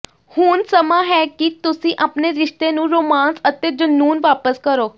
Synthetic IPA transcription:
hʊnsəmaːɦɛːkit̪ʊsĩːʔaːpneːɾɪʃt̪eːnũːɾoːmaːnsət̪eːd͡ʒənːuːnʋaːpəskəɾoː

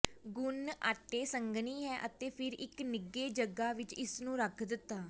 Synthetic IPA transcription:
ɡʊna̰ːʈːeːsəŋɡniːɦɛːʔət̪eːpʰɪɾɪknɪɡeːd͡ʒəɡaːʋɪt͡ʃɪsnũːɾəkʰd̪ɪt̪ːaː

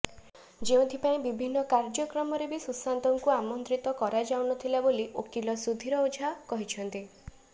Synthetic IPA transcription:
d͡ʒeũt̪ʰipaĩbibʱinːɔkaɾd͡ʒɔkɾɔmɔɾebisusant̪ɔŋkuamɔnt̪ɾit̪ɔkɔɾad͡ʒawnɔt̪ʰilaboliʔokilɔsud̪ʱːiɾɔud͡ʒʱakɔɦit͡ʃʰɔnt̪i

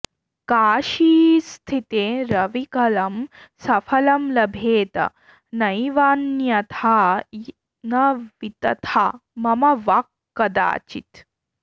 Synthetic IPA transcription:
kaːʃiːst̪ʰit̪eːɾɐʋikɐlɐmsɐfʰɐlɐmlɐbʱeːt̪ɐ̰ | nɐjʋaːnjɐt̪ʰaː | nɐʋit̪ɐ̰t̪ʰamɐmɐʋakːɐd̪a̰ːt͡ʃḭt̪

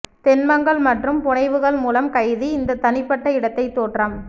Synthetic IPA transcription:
t̪ɛnmɐŋɡɐɭmɐʈrɯmpʊɳɐɪʋɯɣɐɭmuːlɐmkɐjðɯɪnd̪ɐt̪ɐnɪpːɐʈːɐɪɽɐt̪ːɐɪt̪ːoːʈram

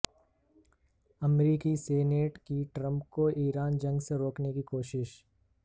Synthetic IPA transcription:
ɐmɾiːkiseːneːʈkiʈɾə̃mp̚koʔiːɾaːnd͡ʒɐ̃ŋɡseɾoːknekikoːʃɪʃ

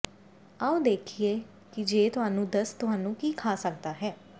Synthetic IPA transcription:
aːũd̪eːkʰieː | kid͡ʒeːt̪ʊɦaːnũːd̪əst̪ʊɦaːnũːkiːkʰaːsəkd̪aːɦɛː

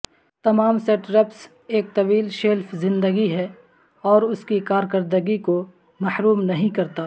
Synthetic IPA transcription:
t̪ɐmaːmsɛʈɾɛps | eːk̚t̪ɐʋiːlʃelfʰzɪ̃nd̪əɡiɦɛ | ɔːɾʊskikaːɾkɐɾd̪əɡiko | mɐhɾuːmnɐɦĩkɐɾt̪aː

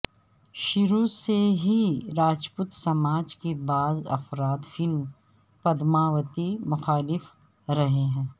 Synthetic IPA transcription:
ʃɪɾuːseɦiɾaːd͡ʒput̪sɐmaːd͡ʒkebaːzɐ̰fɾaːt̪fɪlm | pɐd̪maːʋət̪imʊxaːlɪf | ɾɐɦeɦɛ̃ː

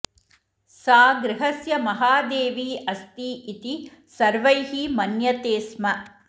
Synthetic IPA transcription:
saːɡɾɪɦɐsjɐmɐɦaːd̪eːʋiːʔɐst̪iːʔit̪i | sɐɾʋɐjɦimɐnjɐt̪eːsmɐ

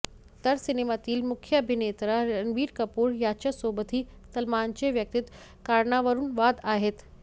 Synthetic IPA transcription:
t̪ɐɾsɪneːmaːt̪iːlmʊkʰjəbʱineːt̪ɾaɾɐnʋiːɾkɐpuːɾjaːt͡ʃɐsoːbət̪ʰisɐlmaːnt͡ʃeʋjɐk̚t̪ɪt̪ | kaːɾnaːʋəɾunʋaːd̪aːɦɪt̪

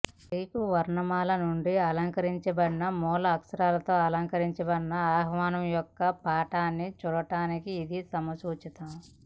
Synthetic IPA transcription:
iːkuʋɐɾɳɐmaːlɐnuɳɖiɐlɐŋkɐɾiɲt͡ʃɐbɐɽinɐmɔːlɐːksɐɾaːlɐt̪o̞ːɐlɐŋkɐɾiɲt͡ʃɛbɐɽinːɐaːɦɐʋaːnɐmjɔkːɐpaːʈaːnːit͡ʃuːɽɐʈaːnikiːd̪isɐmɐsuːt͡ʃit̪ɐm

